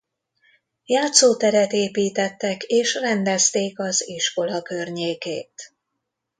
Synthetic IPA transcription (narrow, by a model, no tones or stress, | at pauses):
jaːt̪soːt̪ɛɾɛt̪eːpiːt̪ɛt̪ːɛkeːʃrɛnd̪ɛst̪eːkɒziʃko̞lɒkø̞rɲeːkeːt̪